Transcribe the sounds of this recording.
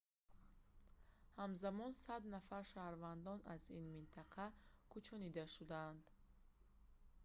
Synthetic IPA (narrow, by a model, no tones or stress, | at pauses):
hamzamɔnsad̪nafaɾʃahɾvand̪ɔnazinmint̪ʰaqʰakʰut͡ʃʰɔnid̪aʃud̪and̪